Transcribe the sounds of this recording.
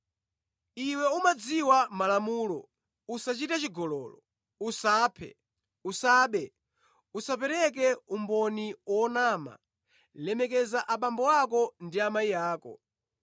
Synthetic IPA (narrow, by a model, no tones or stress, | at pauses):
iwɛumad͡ziwamalamuːlɔ̰ | usat͡ʃitat͡ʃiɡɔlɔːlɔ̰ | usaːpʰɛ̰ | usaːɓɛ | usapɛɾɛk̬ɛumbɔniwɔnaːma̰ | lɛmɛk̬ɛzaʔaɓambɔakɔndiamaijaːkɔ̰